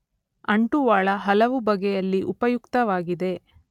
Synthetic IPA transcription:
ɐɳʈuʋaːɭɐɦɐlɐʋubɐɡɛjɐlːiʔupɐjukt̪ɐʋaːɡid̪e̞

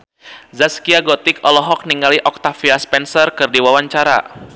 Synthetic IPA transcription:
zaskiaɡɔt̪ɪkɔlɔɦɔk̚niŋɡaliʔɔk̚t̪afiaspɛnsɔrkɨrdiwawaɲt͡ʃaɾa̰

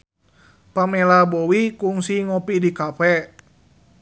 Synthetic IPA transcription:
pamɛlabowikuŋsiŋɔpidikafɛ

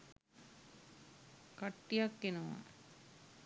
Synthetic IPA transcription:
kaʈːijakːenəʋa̰

